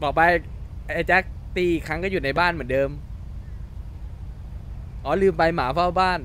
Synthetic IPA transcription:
bɔː˨˩pa˧j | ʔeː˧˩t͡ɕɛ˦˥k̚t̪iː˧˩kʰa˦˥ŋkɔ˥˩ju˨˩t̪̚na˧jbaː˥˩nmɯ˩˦ndɤː˧m | ʔɔː˩˦lɯː˧mpa˧jmaː˩˦fʰa˥˩wbaː˥˩n

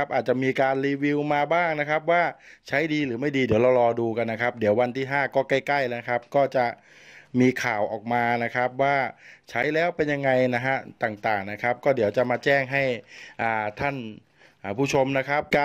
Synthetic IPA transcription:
a˦˥p̚ʔaː˨˩t̪̚t͡ɕa˨˩miː˧kaː˧nliː˧wi˧wmaː˧baː˥˩ŋna˦˥kʰa˦˥p̚waː˥˩t͡ɕʰa˦˥jdiː˧lɯː˩˦ma˥˩jdiː˧di˩˦wɾa˧wɾɔː˧duː˧ka˧nːa˦˥kʰa˦˥p̚di˩˦əwa˧nt̪ʰiː˥˩ɦaː˥˩kɔː˥˩ka˥˩jka˥˩jaː˦˥na˧kʰa˦˥p̚kɔː˥˩t͡ɕa˨˩ | miː˧kʰaː˨˩wʔɔ̰ː˨˩k̚maː˧na˦˥kʰa˦˥p̚waː˥˩t͡ɕʰa˦˥jlɛː˦˥wpe˧nja˧ŋːa˧jna˦˥ka˦˥t̪aː˨˩ŋt̪aː˨˩ŋna˦˥kʰa˦˥p̚kɔː˥˩di˩˦əwt͡ɕa˨˩maː˧t͡ɕɛː˥˩ŋɦa˥˩jʔaː˨˩t̪ʰa˥˩nː˨˩ | pʰuː˥˩t͡ɕʰo˧mna˦˥kʰa˦˥p̚ka˧

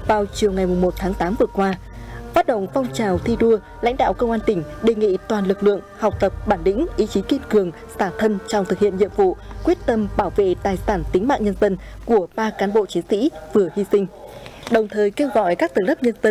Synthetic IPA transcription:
vaː˨˩wt͡ɕi˨˩əwŋa˨˩jmʊ˨˩ŋ͡mmo˨˩t̚t̪ʰaː˨˦ŋt̪aː˨˦vɨ˨˩əkwaː˧ | faː˦˥t̚ɗə̰˧˨wŋ͡mfɔ˧wŋ͡mt͡ɕaː˨˩wt̪ʰi˧ɗu˧ə | la̰˧˥ŋ̟ɗa̰ː˧˨wkə˧wŋ͡mʔaː˧nt̪ï˧˩ŋ̟ɗe˨˩ŋḭ˧˨t̪waː˨˩nlɨ˨˩k̚lɨ̰˧˨əŋha˨˩k͡p̚t̪ə˨˩p̚ɓaː˧˩nɗï˧˥ŋ̟ʔi˨˦t͡ɕi˨˦ki˧nkɨ˨˩əŋ | saː˧˩t̪ʰə˧nt͡ɕɔ˧wŋ͡mt̪ɨ˨k̚hḭ˧˨ənɲḭ˧əmvṵ˧˨kwi˦˥ət̚t̪ə˧mɓaː˧˩wvḛ˧˨t̪aː˨˩jsaː˧˩nt̪ï˨˦ŋma̰ː˧˨ŋɲə˧nzə˧nku˧˩əɓaː˧kaː˨˦nɓo̰˧˨t͡ɕi˨˦nsḭ˧˥vɨ˨˩əhi˧sï˧ŋ̟ɗə˨˩wŋ͡mt̪ʰəː˨˩jke˧wɣɔ̰˧˨jkaː˦˥k̚t̪ɨ˨˩lə˦˥p̚ɲə˧nzə˧n

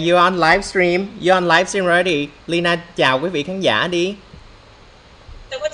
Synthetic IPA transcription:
zɔ˧ʔa˧nlaː˦˥jfstɹi˧mzɔ˧ʔa˧nlaː˦jfsi˧nɹɛ˧˦ɾi˧˩li˧naː˧t͡ɕaː˨˩wkwi˨˦vḭ˧˨kʰaː˨˦nza̰ː˧˥˨ɗi˧

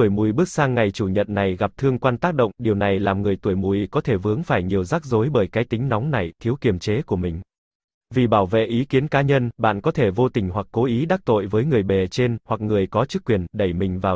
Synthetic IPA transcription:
u˧˩jmu˨˩jɓɨ˦˥ək̚saː˧ŋːa˨˩jt͡ɕu˧˩ɲə̰˧˨nːa˨˩jɣa˨˩p̚t̪ʰɨ˧əŋkwaː˧nt̪aː˦˥k̚ɗə̰˧˨wŋ͡mɗi˨˩əwna˨˩jlaː˨˩mŋɨ˨˩əjt̪u˧˩əjmu˧˩jkɔ˨˦t̪ʰe˧˩vɨ˨˦əŋfaː˧˩jɲi˨˩əwzaː˦˥k̚zo˨˦jɓəː˧˩jkaː˨˦jt̪ï˨˦ŋ̟nɔ˨˦wŋ͡mna˨˩jt̪ʰi˨˦əwki˨˩əmt͡ɕe˨˦ku˧˩əmï˨˩ŋ̟ | vi˨˩ɓaː˧˩wvḛ˧˨ʔi˨˦ki˨˦ənkaː˨˦ɲə˧nɓa̰ː˧˨nkɔ˨˦t̪ʰe˧˩vo˧t̪ï˨˩ŋ̟ɦwa˨˩kːo˨˦ʔi˨˦ɗaː˦˥k̚t̪o̰˧˨jvəː˨˦jŋɨ˨˩əjɓɛ˨˩t͡ɕe˧nhwa˨˩k̚ŋɨ˨˩əjkɔ˨˦t͡ɕɨ˦˥kːwi˨˩ənɗə˧˩jmï˨˩ŋ̟vaː˨˩

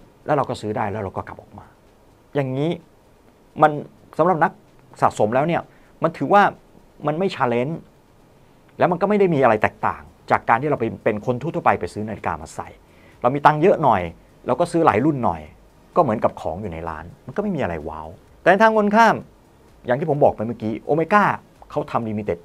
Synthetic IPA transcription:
lɛː˦˥ɾa˧wkɔː˥˩sɯː˦˥daː˥˩jlɛː˦˥wɾa˧wkɔː˥˩kla˨˩p̚ʔɔ̰˨˩k̚maː˧ | ja˨˩ŋːiː˦˥ | ma˧n | sa˩˦mɾa˨˩p̚na˦˥k̚ | sa̰˨˩t̪̚so˩˦mlɛː˦˥wni˥˩ɐ | ma˧nt̪ʰɯː˩˦waː˥˩ | ma˧nma˥˩jt͡ɕʰaː˧le˦˥n | lɛː˦˥wma˧nkɔː˥˩ma˥˩jda˥˩jmiː˧ʔa˧ɾa˧jt̪ɛː˨˩k̚t̪a̰ː˨˩ŋ | t͡ɕaː˨˩kːaː˧nt̪ʰiː˥˩ɾa˧p̬a˧jpe˧nkʰo˧nt̪ʰu˥˨t̪ʰːpa˧jpa˧jsɯː˦˥naː˧li˦˥ka̰ː˧˩ma̰ː˧sa̰˨˩j | ɾa˧wmiː˧t̪a˧ŋjɤ˦˥ʔnɔ˨˩j | lɛː˦˥wkɔː˥˩sɯː˦˥la̰ː˩˦jlu˥˩nːɔ̰˨˩j | kɔː˥˩mɯ˩˦nka˨˩p̚kʰɔ̰ː˩˦ŋjuː˨˩na̰˧jɾa̰ː˦˥nma˧nkɔː˥˩ma˥˩jmiː˧ʔa˧ɾa̰˧jwa̰ː˦˥w | t̪ɛː˨˩na˧jt̪ʰaː˧ŋo˧nkʰaː˥˩m | ja˨˩ŋt̪iː˥˩o˩˦bɔː˨˩k̚pa˧jma˥˩kiː˦˧ʔoː˧ma˧jkaː˥˩ | kʰa˦˥wt̪ʰa˧mliː˧mi˧t̪e˨˩t̪̚

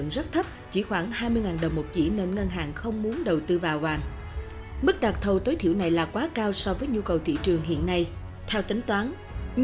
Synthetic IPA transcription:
nzə˦˥t̚t̪ʰə˦˥p̚t͡ɕi˧˩xwaː˧˩ŋhaː˧jmɨ˧əjŋaː˨˩nɗə˨˩wŋ͡mmo˨˩p̚t͡ɕḭ˧˩ne˧nŋə˧nɦaː˨˩ŋxə˧wŋ͡mmu˨˦ənɗə˨˩wt̪ɨ˧vaː˨˩wvaː˨˩ŋ | mɨ˦˥k̚ɗa˨˩k̚t̪ʰə˨˩wt̪o˨˦jt̪ʰḭ˧˩əwna˨˩jlaː˨˩kwaː˨˦kaː˧wsɔ˧vəː˨˦jɲu˧kə˨˩wt̪ʰḭ˧˨t͡ɕɨ˨˩əŋɦḭ˧˨ənːa˧j | t̪ʰɛ˧wt̪ï˨˦ŋ̟t̪waː˨˦n

